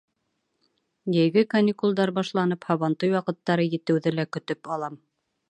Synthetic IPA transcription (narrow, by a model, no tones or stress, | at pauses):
jɘ̆jɡɘkɐnʲikulˠd̪ɑɾbɑʃlˠɑnɤphɑβɑnt̪ɤjwɑqɤ̆t̪ːɑɾɤjɘ̆t̪ɘ̆wðɘlækɵ̆t̪ɵpɑlˠɑm